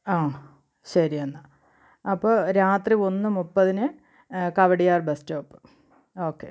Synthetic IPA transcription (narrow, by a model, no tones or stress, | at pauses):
aː | ɕɐɾiɐnːa | ɐpːoːɾaːt̪rio̞nːɨmupːɐðinɨ | kɐʋɐɽijaːrbestoːpːɨ̥ | oːkːe